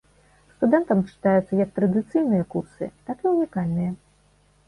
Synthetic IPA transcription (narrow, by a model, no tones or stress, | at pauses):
st̪ud̪ɛnt̪ɐmt͡ʂɨ̥t̪ajut̪sːɐjɐk̚t̪ɾɐd̪ɨt̪sɨjnɨjɐkursɨ̰t̪akiunʲikalʲnɨjɐ